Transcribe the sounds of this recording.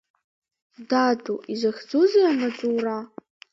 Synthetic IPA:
dadʼuʔizʷaxʲd͡zuzijamaʈ͡ʂʼuːra

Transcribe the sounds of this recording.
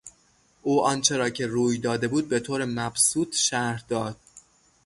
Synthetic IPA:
ʔuːɒnt͡ʃʰe̞ɾɒːcʰe̞ɾuːjd̪ɒːd̪e̞buːd̪̚be̞t̪ʰoːɾemæbsuːt̪ʰʃæɾɾd̪ɒːd̪̥̚

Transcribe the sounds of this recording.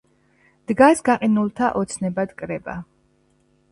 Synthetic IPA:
d̪̥ɡasɡaqʼinulˠt̪ʰaʔɔt̪sʰnɛbad̪kʼɾɛba̰

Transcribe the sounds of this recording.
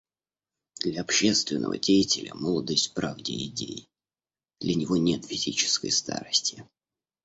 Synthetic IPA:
d̪̥lʲɐɐpɕːest̪vʲɪnːə̰və̰dʲejɪtʲɪlʲəməlˠəd̪əsʲtʲpɾavdʲɪɪdʲej | d̪lʲənʲɪvonʲe̞t̪fʲɪzʲit͡ɕɪ̥skə̰jst̪a̰ɾəsʲtʲɪ

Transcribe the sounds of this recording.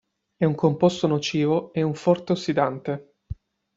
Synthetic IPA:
ɛuŋkʰompost̪onot͡ʃiːvoeuɱfɔrt̪eosːid̪ant̪e

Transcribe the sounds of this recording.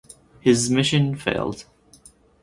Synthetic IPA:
hɪzmɪʃə̃nfḛɪlˠd̥

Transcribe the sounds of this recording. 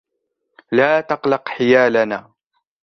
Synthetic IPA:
laːt̪ɑqlɑqħɪjaːlanaː

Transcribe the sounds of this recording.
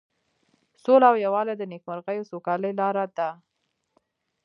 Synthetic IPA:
solaawjawɑlad̪ənekmaɾɣəjosokɑləjlɑɾad̪a

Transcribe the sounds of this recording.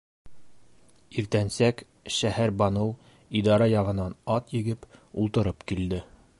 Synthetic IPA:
iɾt̪ænsæk | ʃæhæɾbɑnɤw | id̪ɑɾɑjɑʁɤ̆nɑnɑt̪jɘ̆ɡɘpulˠt̪ɤ̆ɾɤpkild̪ɘ

